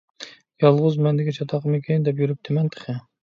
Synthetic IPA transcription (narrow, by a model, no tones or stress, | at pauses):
jɑlˠʁʊzmɛnd̪ɪkʲɛt͡ʃʰɑt̪ʰɑqmɨkʲʰind̪ɛpjyɾyp̚t̪ʰɪmɛnt̪ʰə̥χʰɨ